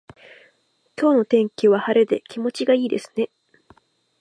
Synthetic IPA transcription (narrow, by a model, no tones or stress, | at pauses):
kʲo̞ːno̞t̪ẽ̞ŋkʲiβ̞ahaɾed̪e̞kʲʰimo̞t͡ɕiɡaiːd̪e̞̰sɨ̥ne̞